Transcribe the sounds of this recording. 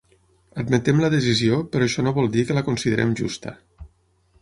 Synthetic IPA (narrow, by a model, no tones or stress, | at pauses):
əd̪mət̪ɛmləðəziziopəɾɔʃɔnoβɔlˠd̪ikələkunsiðəɾɛ̰mʒṵst̪ə̰